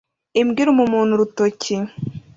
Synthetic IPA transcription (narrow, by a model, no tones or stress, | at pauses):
imɡiɾumumuːn̥huɾutoci